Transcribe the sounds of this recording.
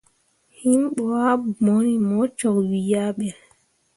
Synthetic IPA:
himɓɔwamonimɔt͡ʃɔkwijaɓɛ

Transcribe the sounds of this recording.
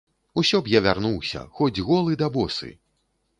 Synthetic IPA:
usʲɔbjavʲarnuwsʲɐ̰xɔd͡zʲɣɔlˠɨd̪abɔsɨ̰

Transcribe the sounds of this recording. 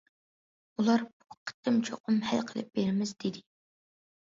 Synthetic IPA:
ulˠɑɾbu̥qʰə̥t̪ːɪmt͡ʃʰoqʊmhæ̰lqʰəlˠɨ̰p̚b̥eɾɪmɪzd̪ɪd̪ɪ

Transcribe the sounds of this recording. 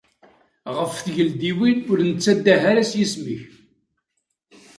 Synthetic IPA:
ʁəfθʝəld̪iwinʊɾnət͡sːæd̪ːæɦaɾæsjisməç

